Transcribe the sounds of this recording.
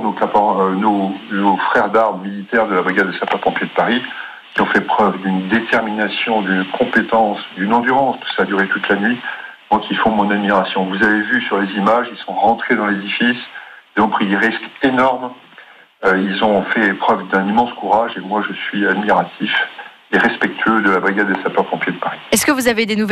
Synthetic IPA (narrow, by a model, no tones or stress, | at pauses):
nokapãnonofχɛʁd̪aʁmːilit̪ɛʁd̪əlabʁiɡad̪ːəsɛ̃papɔ̃pjed̪əpaʁi | kʲiɔ̃fɛpχœvd̪ynd̪et̪ɛʁminasjɔ̃d̪ynkʰɔ̃pet̪ɑ̃sd̪ynɑ̃d̪yʁɑ̃spḁskəsaːd̪yʁet̪ut̪lanɥi | mwakʲʰifɔ̃mɔ̃nad̪miʁasjɔ̃vuzavevysyʁlezimaʒilsɔ̃ʁɑ̃t̪χed̪ɑ̃led̪ifisilzɔ̃pχid̪eʁiskenɔʁm | ilzɔ̃fɛpχœvd̪ɛ̃nimɑ̃skuʁaʒemwaʒəsɥiad̪miʁat̪ʰif | eʁɛspɛk̚t̪ʰɥød̪əlabʁiɡad̪ːesapapɔ̃pjed̪əpaʁiɛskəvuzaved̪enu